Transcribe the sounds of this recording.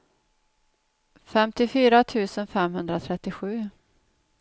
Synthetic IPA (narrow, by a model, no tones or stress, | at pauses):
fɛmt̪ɪfyːɾat̪ʰʉ̟ːsənfɛmɦɵnd̪ɾat̪ʰɾɛt̪ːɪɧʉ̟ː